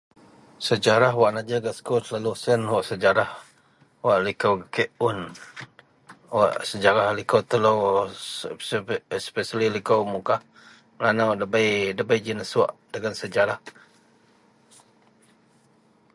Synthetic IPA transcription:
səd͡ʒaɾaɦwaʔnad͡ʒəɡaskoslalusənwaʔsəd͡ʒaɾah | waʔlikəwkeʔʊn | waʔsəd͡ʒaɾahlikowt̪əlo | spesalilikowmukah | lanawdəbajdəbajd͡ʒinəsua̰ʔdəɡansəd͡ʒaɾah

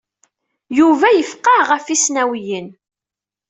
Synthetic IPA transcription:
juvæjəfqɑʁəfisnæwjən

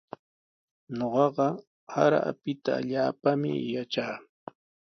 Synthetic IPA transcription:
ɲoɢɑɢɑ | haɾaa̰pɪt̪a̰ːʎaːpamɪ̰jat͡ʃaː

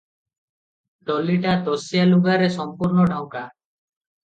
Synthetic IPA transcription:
ɖɔliʈat̪ɔsijaluɡaɾɛsɔmpuɾnɔɖʱaw̃ka

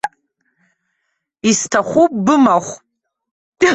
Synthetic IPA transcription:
istʰaχʷup̚ʼbɨmaχʷʼ

